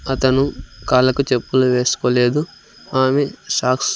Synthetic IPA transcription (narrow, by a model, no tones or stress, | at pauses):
ɐt̪ɐnukaːlɐkut͡ʃepːuluʋe̞ːsu̥koːle̞ːd̪u | aːmeʂaːks